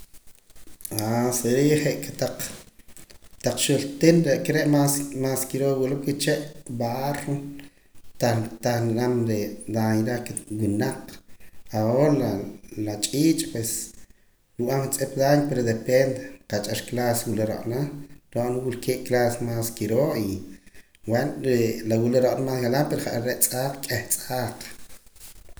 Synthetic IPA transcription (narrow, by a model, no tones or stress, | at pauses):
aseɾiχeʔket̪aq͡χ | t̪aq͡χʃult̪enɾeʔkeɾeʔmasmaːskiɾowilomket͡ʃeʔbaro | t̪at̪aχnanamɾed̪aɲɾakewinaq͡χaollalat͡ʃʼiːt͡ʃʼpwes | ɾuʔamkt͡sʼep̚d̪aɲpeɾod̪epend̪eqat͡ʃʼaʃklaswuleɾa̰ʔnaɾoʔnawulkeːʔklasmaskiɾoʔi | wenɾelawileɾoʔnamaːsɣalampeɾoχaʔaɾeʔt͡sʼaːq͡χkʼeht͡sʼaːq